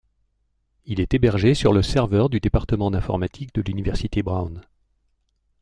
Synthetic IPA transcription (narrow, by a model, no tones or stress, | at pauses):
ilɛt̪ebɛʁʒesyʁləsɛʁvœʁd̪yd̪epaʁt̪əmɑ̃d̪ɛ̃fɔ̰ʁmat̪ʰikd̪əlynivɛʁsit̪ebʁawn